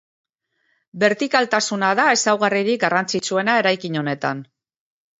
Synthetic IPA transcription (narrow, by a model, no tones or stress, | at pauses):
be̞ɾt̪ikalt̪asunaðae̞sawɣariɾik̚ɡarant͡sit͡sue̞nae̞ɾajkiɲo̞ne̞t̪an